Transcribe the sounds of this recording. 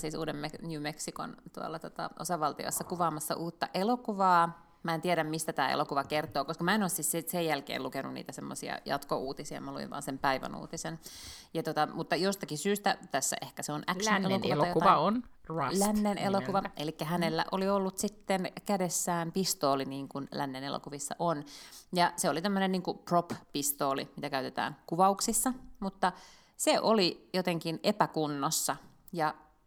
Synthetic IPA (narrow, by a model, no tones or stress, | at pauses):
siːsṵːdemmenjuːmeksiko̰nt̪uɑ̰lːɑt̪ot̪ɑ̰ʔo̰sɑʋɑlt̪io̰esːɑkuʋɑːmɑsːɑ̰ʔuːt̪ːɑʔelokuʋɑː | mæent̪ieɾæmmist̪æt̪æːḛlokuʋɑkert̪ˑoːkoskɑmæenoːsissisejjælkḛːlukenunnḭːt̪æsemːo̰siɑ̰jɑ̰t̪koʔuːt̪isiɑ̰mɑluʋḭʋʋɑ̰ːnsempæiʋæ̰nṵːt̪isenjɑt̪ot̪ɑmut̪ːɑjost̪ɑkisyːst̪æt̪æsːæ̰ʔehkæseonʔækʃonelonkuʋɑɑjoɑɑonɑlænːenʔḛlokuʋɑʔelikːæɦænelːæ̰ʔoliolːut̪sit̪ːenkædesːæːmpist̪oːliniːŋkunlæ̰nːenḛlo̰kuʋisːɑ̰ʔonjɑseolit̪æmːønenniːŋkuproppist̪oːlḭmit̪ækæyt̪et̪æ̰ːŋkuʋɑuksisːɑmut̪ːɑ | seʔolijot̪eŋkinʔepækunːosːɑ | jɑ